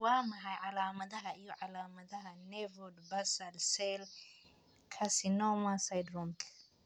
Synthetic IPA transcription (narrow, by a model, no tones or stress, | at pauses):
waːmɐɦɐjʕalaːmɐðɐɦɐɪjɔʕalaːmɐðɐɦɐnɛvɔdbɐsɐlsɛl | kʰɐsɪnɔmasajd̪ɾɔmkʰ